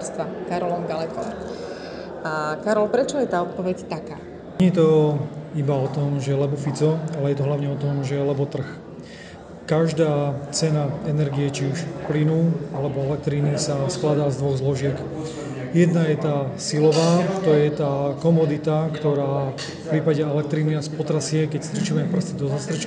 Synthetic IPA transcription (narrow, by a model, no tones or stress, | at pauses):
st̪ʋakaɾɔlɔmɡalɛkɔm | akaɾɔlpɾɛt͡ʃɔjɛt̪aːɔt̪̚pɔʋɛct̪akaː | ɲɛɛt̪ɔ | ibaɔt̪ɔmʒɛlɛbɔfit͡sɔalɛjɛt̪ɔɦlaʊɲɛɔt̪ɔmʒɛlɛbɔt̪r̩x | kaʒd̪aːt͡sɛnaɛnɛɾɡijɛt͡ʃiuʃplinuːalɛbɔɛlɛk̚t̪ɾinisasklad̪aːzd̪ʋɔɣzlɔʒɪɛk | jɛd̪najɛt̪aːsilɔʋaːt̪ɔjɛt̪aːkɔmɔd̪it̪akt̪ɔɾaː | fpɾiːpaɟɛɛlɛk̚t̪ɾiːniaspɔt̪ɾasɪɛkɛcst̪ɾit͡ʃimɛpr̩st̪id̪ɔzast̪ɾɛt͡ʃ